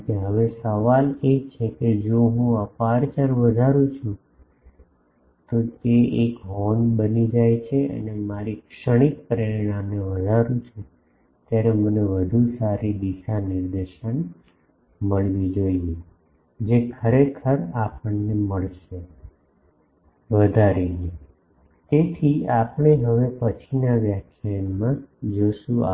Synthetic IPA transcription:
keɦəʋesəʋalet͡ʃʰeked͡ʒoɦũəpaɾt͡ʃəɾʋəd̪ʱaɾũt͡ʃʰũ | t̪ot̪eekɦɔnbənid͡ʒajt͡ʃʰeʔə̰nemaɾikʃəɽ̃ik̚pəɾiɾɳ̃amneʋəd̪ʱaɾũt͡ʃʰũ | t̪jaɾeməneʋəd̪ʱusaɾid̪iʃanɪɾd̪eʃən | məɭʋid͡ʒoie | d͡ʒekʰəɾekʰəɾapəɳneməɭʃe | ʋəd̪ʱaɾine | t̪et̪ʰiapəɳ̃eɦəʋepət͡ʃʰinaʋjakʰjamãd͡ʒoʃũa̰

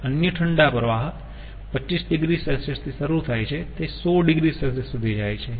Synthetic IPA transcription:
ənjəʈʰəɳɖapəɾʋaɦət̪ | pət͡ʃːisɖiɡɾisəlsest̪ʰisəɾuɾt̪ʰajt͡ʃʰet̪esoɖɪɡɾisəlsesːud̪ʱid͡ʒajt͡ʃʰe

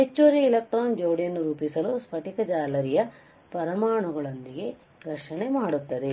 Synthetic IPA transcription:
et͡ʃːoːɾiːlɐk̚ʈɾoːnd͡ʒoːɽijɐnːuɾuːpisɐluspʰɐʈikɐd͡ʒaːlɐɾijɐ | pɐɾɐmaːɳuɡɐɭond̪iɡe̞ | ɾɐʂɐɳemaːɽut̪ːɐd̪e̞

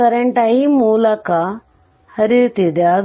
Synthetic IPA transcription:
ɐɾɐɳʈɐjimuːlɐkɐ | hɐɾit̪id̪ea

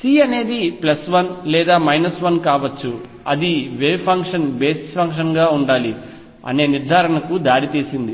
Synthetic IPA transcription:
siːɐne̞ːd̪iplɐsʋɐnlɛːd̪aːmɐjnɐsʋɐnkaːʋɐt͡ʃːu | ɐ̰d̪iʋeːpʰɐŋkʂɐnbeːspʰɐŋkʂ̬ɐnɡaːuɳɖaːli | ɐ̰ne̞ːniɾd̪ʱaːɾɐɳɐkud̪aːɽit̪iːsind̪i

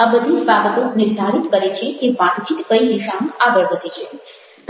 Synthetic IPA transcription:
abəd̪ʱid͡ʒbabət̪onɪɾd̪ʱaɾit̪kəɾet͡ʃʰekeʋãt̪d͡ʒit̪kəiniʃãŋaɡəɭɡəd̪ʱet͡ʃʰe | t̪

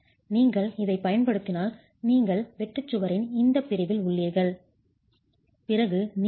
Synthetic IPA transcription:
niːŋɡɐɭɪðɐɪpːɐjɐnpɐɽɯt̪ːɪnaːl | niːŋɡɐɭʋɛʈːɯt͡ʃːɯʋɐɾɪnɪnd̪ɐpːɪɾɪðɪlʊɭːeːɾɣɐɭ | pɪrɐɣɯn

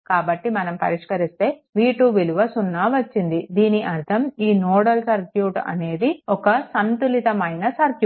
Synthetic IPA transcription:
kaːbɐʈːimɐnɐmpɐ̰ɾiʂkɐɾist̪e̞ːʋiːʈuːʋiluʋɐsunːaːʋɐt͡ʃːind̪id̪iːniʔɐɾt̪ʰɐmiːnɔːɽɐlsɐɾkjuːʈɐ̰ne̞ːd̪iɔkɐsɐnt̪ulit̪ɐmɐjnɐsɐɾkju

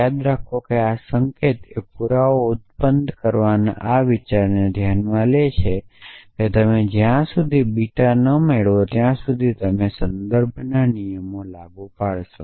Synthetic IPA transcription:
jad̪ɾakʰokeasəŋket̪epuɾaoʊt̪̚pənd̪ʱkəɾʋanʔaʋɪt͡ʃaɾned̪ʱjanmãlet͡ʃʰeket̪əmed͡ʒjãsud̪ʱibiʈanəmeɭot̪jãsud̪ʱit̪əmesənd̪əɾbʱnanijəmolaɡupaɭʃo

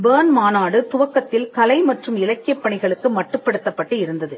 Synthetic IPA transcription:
beːnmaːnaːɽɯt̪ʊʋɐkːɐt̪ːɪlkɐlɐɪmɐʈrɯmɪlɐkːɪjɐpːɐɳɪɣɐɭɯkːɯmɐʈːrɯpːɐɽɯt̪ːɐpːɐʈːɯɪɾɯnd̪ɐðɯ

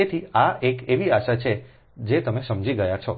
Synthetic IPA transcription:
et̪ʰiaekeʋiaʃat͡ʃʰe | d͡ʒet̪əmesəmd͡ʒiɡəjat͡ʃʰɔ

